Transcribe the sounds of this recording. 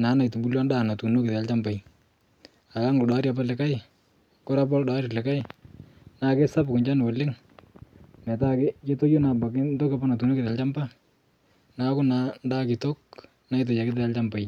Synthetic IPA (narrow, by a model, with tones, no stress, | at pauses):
na˨˦na˨jtu˨bu˦ljɔ˦ndaː˦˨na˨tu˨no˦kɪ˨ðɛ˨a˨lt͡ʃa˦mba˨j | a˨la˦ŋɡlda˦ɾi˦a˨palɛ˨ka˦j | ko˦ɾa˦p̬ɔ˦lda˦ɾɪ˨lɛ˨ka˦j | na˨ke˦sa˦pkʊ˨nt͡ʃa˦n˨wo˨lɪ˦ŋ | mɛ˨ta˦kɪ˦ke˦to˦jo˦na˨ba˨kɪ˦nto˦ke˦pa˦na˨tu˨no˦kɪ˨ða˨lt͡ʃa˦mba˦ | na˨kʊ˦na˨nda˦kɪ˨to˦k̚ | na˦jt̬o˨ja˨kɪ˦t̬e˨a˦lt͡ʃa˦mba˨j